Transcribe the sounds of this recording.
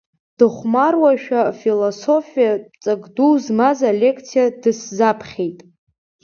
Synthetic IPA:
d̥ɨχʷmarwaʃᶣafiloso̞fijat͡sʼaɡduzmazalʲe̞kʰt͡sʰijadɨszapʰχʲe̞jtʼ

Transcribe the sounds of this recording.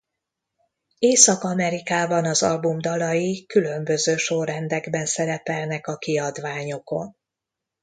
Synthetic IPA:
eːsɒkɒmɛɾikaːbɒnɒzɒ̰lbumd̪ɒlɒjikylø̞mbø̞zøːʃorrɛnd̪ɛɡbɛnsɛɾɛpɛlnɛkɒkiɒd̪ʋaːɲo̞ko̞̰n

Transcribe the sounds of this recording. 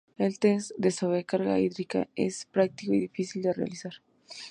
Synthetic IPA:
elt̪esd̪esoβɾekaɾɣa̰iðɾika̰ḛspɾak̚t̪ikoiðifisild̪erea̰lisaɾ

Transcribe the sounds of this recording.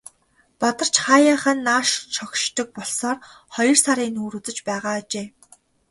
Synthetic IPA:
pɔt̪ɞ̆r̥t͡ɕχaːjaːχə̆nːaːʃt͡ɕʰɔkʃt̪ɞ̆k̚pɔɮsɔːr | χɔjɞ̆rsaɾiːnuːɾuːt͡sɘ̆t͡ɕpæːʁaːt͡ɕeː

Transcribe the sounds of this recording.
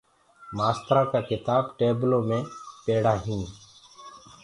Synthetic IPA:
maːst̪ɾaːkaːkɪt̪aːbʈeːblõːmẽːpeːɽaːɦĩː

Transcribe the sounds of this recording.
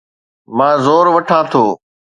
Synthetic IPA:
mãːzoːɾʋɐʈʰãːt̪ʰoː

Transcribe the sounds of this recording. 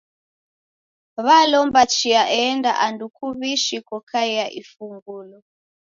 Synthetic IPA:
βalɔmbat͡ʃiaʔɛːnda̰ʔandukuβiʃikɔkʰaiaʔifuŋɡulɔ

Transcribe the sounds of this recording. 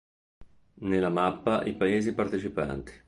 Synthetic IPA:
nelːamapːaʔipaeːzipart̪et͡ʃipa̰nt̪i̥

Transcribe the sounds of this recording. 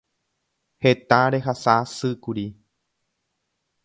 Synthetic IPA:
het̪aɾe̞ɦasasɨkuɾi

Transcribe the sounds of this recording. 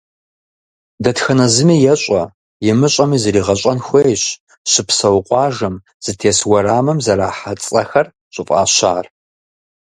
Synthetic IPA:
dɐtxɐnɐzɨmiːjɛɕʷʼɐ | jɪmɨɕʼɐmiːzɐɾiːʁɐɕʷʼɐnxʷejɕ | ɕɪpsɐwqʷʼɑːʒɐm | z̥ɨtʰeːswɐɾaːmɐmzɐɾaːħat͡sʼɐxɐr | ɕʷʼʊfʼa̰ːɕaːr

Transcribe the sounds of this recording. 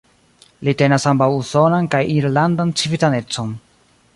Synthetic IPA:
lite̞nasambawuso̞nankajiɾlandant͡sivitane̞t͡so̞n

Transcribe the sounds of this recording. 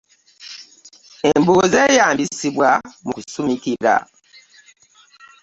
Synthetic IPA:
embuzeːjaːmbisiβwamukusumikiɾa̰

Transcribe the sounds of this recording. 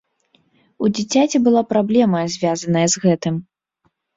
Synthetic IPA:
ud͡zʲit͡sʲat͡sʲɛbɨlˠapɾablʲɛmɐzʲvʲazɐnɐjɐzɣɛt̪ɨm

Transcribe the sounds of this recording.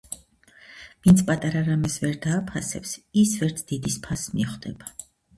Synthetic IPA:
vint̪sʰpʼat̪ʼaɾaɾamɛsvɛɾd̪aːpʰasɛpsisvɛɾt̪ʰd̪̥id̪ispʰasmiχd̪̥ɛba

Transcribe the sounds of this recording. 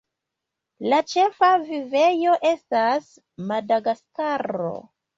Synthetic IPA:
lat͡ʃe̞favive̞jo̞ʔe̞stas | madaɡaskaɾo̞̰

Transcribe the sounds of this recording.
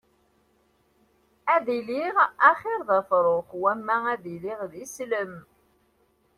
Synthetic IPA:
æðiliʁæχɪɾˤðɑfɾˤoχwæmːææðiliʁðisləm

